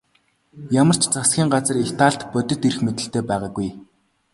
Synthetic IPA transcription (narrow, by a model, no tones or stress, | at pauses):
jamə̆r̥t͡ɕʰt͡sasxʲiːŋɢat͡sə̆rext̪ʰaːɬt̪pɔt̪ɵ̆t̪irxmet̪ɘ̆ɬt̪eːpæːʁaːɡuj